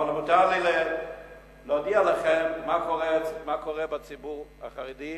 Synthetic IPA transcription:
almutalele | lod̪ialaχɛmːakʰoʁɛmakoʁɛbat͡sibuʁha̰χaʁidi

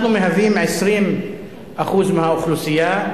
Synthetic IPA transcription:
numeɦavimʕesɾiːn | ʔaxuːzmehauxlusija

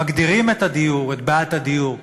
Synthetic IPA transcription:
aɡd̪iʁimet̪ad̪ijuʁetbaːt̪ad̪ijuʁ

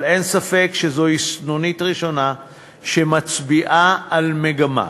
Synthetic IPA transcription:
le̞nsafekʃezo̞isnonitʁiʃo̞na | ʃemat͡sbiʔaalmeɡama̰

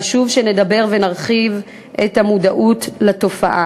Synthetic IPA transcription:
ʃuvʃene̞dabe̞ʁve̞naʁχiv | ʔethamudaʔutlato̞faʔa

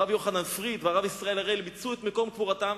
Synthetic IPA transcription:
avjo̞χananfʁid̪veaʁavisʁae̞laʁelbit͡suet̪meko̞mkvuʁat̪am

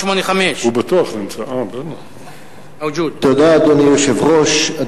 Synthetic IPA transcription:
ʃmoneχameʃhubat̪uaχlemt͡saʔabena | wd͡ʒudt̪od̪aːd̪onijoʃevʁoʃa

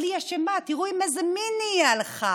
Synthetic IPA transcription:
liaʃemat̪iʁuimazminialχa

